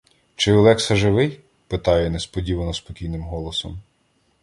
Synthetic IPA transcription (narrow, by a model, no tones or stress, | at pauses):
t͡ʃɪɔlˠɛksɐʒɪʋɪj | pɪt̪ɑjɛnespɔdʲiʋɐnɔspɔkʲijnɪmɦɔlˠɔsɔm